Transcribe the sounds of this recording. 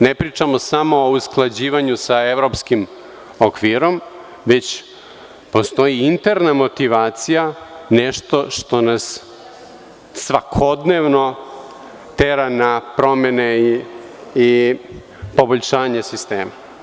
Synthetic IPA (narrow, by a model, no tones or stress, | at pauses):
nepɾiːt͡ʂamo̞samo̞ːusklˠad͡ʑiːʋaɲusaevɾo̞pskim | okʋiɾo̞m | ʋe̞t͡ɕ | po̞st̪o̞jiint̪eɾnamo̞t̪iʋaːt̪sijaneʃt̪o̞ʃt̪o̞nas | ʋakʰo̞d̪neʋno̞ | t̪eɾanapɾo̞mene | i | po̞boʎʃaːɲesist̪eːma